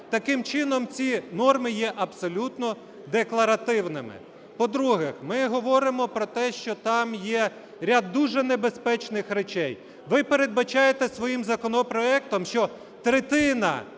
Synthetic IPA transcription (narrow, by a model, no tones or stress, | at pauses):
t̪ɐkɪmt͡ʃɪnɔmt͡sʲinɔrmɪjɛʔɐbsɔlʲut̪nɔ | d̪eklˠɐɾɐt̪ɪwnɪmɪ̰ | pɔd̪ɾuɦɛxmɪɦɔʋɔɾɪmɔpɾɔt̪ɛʃt͡ʃɔt̪ɑmjɛ | ɾʲad̪ːuʒɛnebespɛt͡ʃnɪxɾet͡ʃɛj | ʋɪpeɾed̪̚bɐt͡ʃɑjet̪ɛsʋɔjimzɐkɔnɔpɾɔɛk̚t̪ɔmʃt͡ʃɔ | t̪ɾet̪ɪnɐ̰